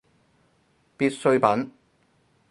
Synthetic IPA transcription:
piː˧t̚sɵ˧ɥpɐ˨˥n

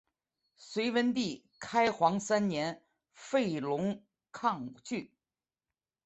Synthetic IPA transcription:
swe˧˥ɪwə˧˥nt̪i˥˩ | kʰa˥ɪxwɑ˧˥ŋsa˥nnjɛ˧˥n | fe˥˩ɪlʊ˧˥ŋ | kʰɑ˥˧ŋt͡ɕy˥˩

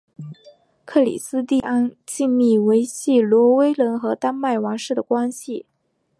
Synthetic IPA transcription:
kʰɤ˥˩lḭ˨˩sɹ̩˥t̪i˥˧a˥nt͡ɕi˥˧nmi˥˩we˧˥ɪɕi˥˩lwɔ˧˥we˥ɪlə˧˥nxɤ˧˥t̪a˥nma˥˩ɪwɑ˧˥ŋʂɻ̩˥˩d̪ə˩kwa˥nɕi˨˩

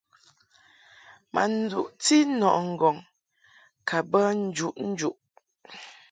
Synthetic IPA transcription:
ma̰˨n̩˦d͡zṵ˨ʔt͡si˦nɔ˨ʔŋ̩˨ɡɔ˨ŋ | kʰa˨bə˦n̩˦d͡ʒu˨ʔn̩˦d͡ʒu˦˨ʔ

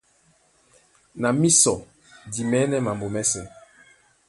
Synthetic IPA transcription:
na˨mi˦sɔ˨ | di˨mɛ˨˦nɛ˦ma˨mbo˨mɛ˦sɛ˨

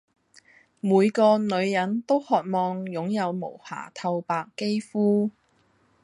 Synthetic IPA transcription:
muː˨˧jkɔː˧nɵ˨˧ɥjɐ˨˥nt̪o˥whɔː˨t̚mɔː˧ŋjʊ˨˥ŋjɐ˨˧wmo̰˨˩wha̰ː˨˩t̪ʰɐ˧wpaː˨˧kːe˥jfuː˥

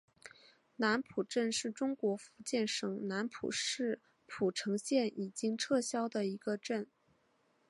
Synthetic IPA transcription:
na˧˥npʰu˨˩ʈ͡ʂə˥˧nʂɻ̩˥˩ʈ͡ʂʊ˥ŋkwɔ˧˥fu˧˥t͡ɕjɛ˥˩nʂɤ˨˩ŋna˧˥npʰṵ˨˩ʂɻ̩˥˩ | pʰu˨˩ʈ͡ʂʰɤ˧˥ŋɕjɛ˥˩nʔi˨˩t͡ɕi˥ŋʈ͡ʂʰɤ˥˩ɕjɑ˥ʊd̪ə˨i˧˥ɡə˧ʈ͡ʂə˥˩n

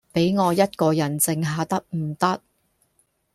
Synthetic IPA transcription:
pe˨˥jŋɔː˨˧jɐ˥t̚kɔː˧jɐ˨˩nt͡sɪ˧ŋɦaː˨˧t̪ɐ˥k̚m̩˨˩t̪ɐ˥t̚

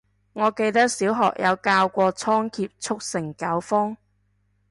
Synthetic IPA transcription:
ŋɔː˨˧ke˧jt̪ɐ˥k̚siː˨˥wɦɔ̰ː˨k̚jʔɐ˨˧wkaː˧wkʷɔː˧t͡sʰɔː˥ŋkʰiː˧p̚t͡sʰʊ˥k̚sɪ˨˩ŋkɐ˨˥wfɔː˥ŋ

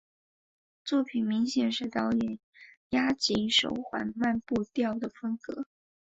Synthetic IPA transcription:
t͡swɔ˥˩pʰi˨˩nmi˧˥ŋɕjɛ˨˩nʂɻ̩˥˧t̪ɑ˥ʊjɛ˨˩n | ja˥t͡ɕi˧˥ʂo̰˧˥ʊxwa̰˨˩nma˥˧npu˥˧t̪jɑ˥˩ʊd̪ə˩fə˥ŋkɤ˧˥

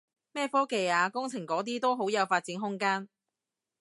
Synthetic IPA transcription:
mɛː˥˩fɔː˥ke˨˧jaː˨˧kʊ˥ŋt͡sʰɪ˨˩ŋkɔː˨˥t̪̬iː˥t̪o˥wɦo˨˥wjɐ˨˧wfaː˧t̚t͡siː˨˥nɦʊ˥ŋkaː˥n

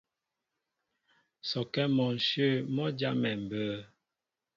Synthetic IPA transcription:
sɔ˨kɛ˦mɔ˨n̩˨ʃə˦˨mɔ˦d͡ʒa˦mɛ˨m̩˨bə˦

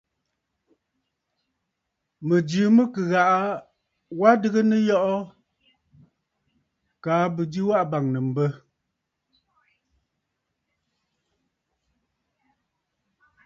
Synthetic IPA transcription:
mə˨dɨ˨˦mə˦kɨ˨ɣa˨ʔa˦ | wa˦dɨ˦ɣə˦nə˦jɔ˦ʔɔ˦ | kaː˨˦bɨ˨di˦wa˦ʔba˨ŋnə˨m̩˨bə˦

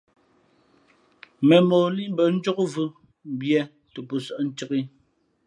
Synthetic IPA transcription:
mɛ˨mɔː˨li˦ʔm̩˦bə˨n̩˦d͡ʒo˦kvu˦ | bjɛ˦ | tə˨pu˨sɔ˦ʔn̩˦tə˦ki˦

